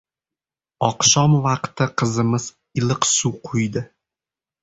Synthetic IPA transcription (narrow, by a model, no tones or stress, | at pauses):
ɒqʃɒmvɑqt̪ɪqʰɨzɨmɪz̥ | ɪlˠɨqsuqʰʊjd̪ɪ